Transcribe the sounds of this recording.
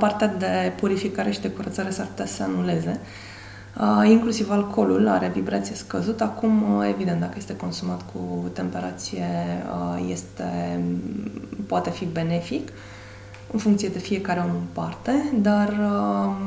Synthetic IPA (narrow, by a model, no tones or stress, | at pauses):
part̪ead̪e̞puɾifikaɾe̞ʃid̪e̞kuɾət̪saɾe̞sarpu̥t̪easəanule̞ze̞ | əiŋklusivalkʰo̞lula̰ɾe̞vibɾat̪sijeskəzut̪akume̞vid̪ent̪d̪akəje̞st̪e̞ko̞nsumat̪kʰut̪e̞mpe̞ɾat̪sijeəje̞st̪e̞ | poat̪e̞fibe̞ne̞fik | ɨnfuŋkt̪sijed̪e̞fie̞kaɾeo̞mɨnpart̪e̞d̪arə